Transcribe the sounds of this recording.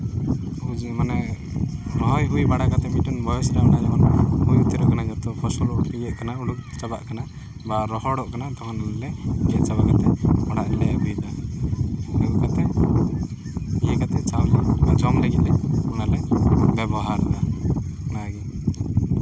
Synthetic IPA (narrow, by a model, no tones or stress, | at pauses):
ud͡ʒmanɛ | ɾɔɦɔjɦujbaɽakat̪ɛmiʈunbʱɔjɔsɾanad͡ʒamɔnhujut̪iɾɔʔkanad͡ʒɔt̪ɔpʰɔsɔlɔijɛʔkanauɽuk̚t͡ʃaba̰ʔkana | baɾɔɦɔɽɔʔkanat̪ɔkɔnllɛd͡ʒɛt͡ʃabakat̪ɛɔɽaʔlɛbujd̪a | nukɔkat̪ɛ | ijɛkat̪ɛt͡ʃawd͡ʒɛbad͡ʒɔmlɛɡit̪lɛunalɛbɛbɔɦaɾd̪anaɡi